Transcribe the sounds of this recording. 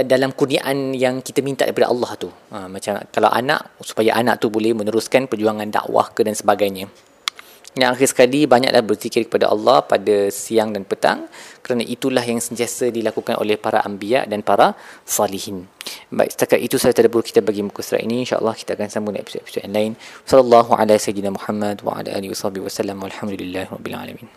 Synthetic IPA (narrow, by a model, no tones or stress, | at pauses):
dalamkurniaʔanjaŋkit̪amĩnt̪aʔdəkipada̰ʔɑ̰lːɑht̪u | mːãt͡ʃamkalawʔa̰nã̰ʔsu̥pajaʔanã̰ʔt̪ubolɛhmə̃nəɾuskanpərd͡ʒuaŋãnda̰ʔwa̰hkədansəbaɡajɲã | jãŋaxirsə̥kalibaɲa̰ʔlahbərt̪ikɪrkə̥pada̰ʔɑ̰lːɑhpadasiaŋdanpət̪a̰ŋkəɾanaʔit̪ulahjaŋsənt̪iasədilakukanʔo̰lɛhpaɾa̰ʔambia̰ʔdanpaɾasɑlihinba̰ḭst̪akat̪it̪usalat̪adəbɾukit̪abaɡimukusɾa̰ʔḭnĩːnʃa̰ʔɑ̰lˠːɑhki̥t̪aakansambuna̰ḛpi̥sodepi̥sodja̰nlaɪnwsɔlalːɑɦuʕa̰lasajdnamuħamːadwa̰ʕa̰la̰ʔa̰ːliwasɑhbihwasalːamwalħamd̪ulilːahrɔbːḭla̰la̰mĩn